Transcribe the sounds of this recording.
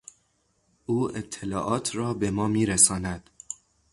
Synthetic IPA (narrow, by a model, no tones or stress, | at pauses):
ʔuːet̪ʰːelɒːʔɒːt̪ʰrɒːbemɒːmiːɾæsɒːnæd̪̥